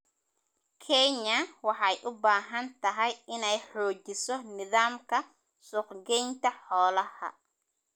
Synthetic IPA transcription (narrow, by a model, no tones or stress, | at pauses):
kʰɛɲɐwɑħɑjʔʊbaːɦɐnt̪ʰɐɦɛjɪnɛjħɔːt͡ʃɪsɔnɪðaːmkʰɐ | sʊːqɡɛjnt̪ʰɐħɔːlɐhɐ̰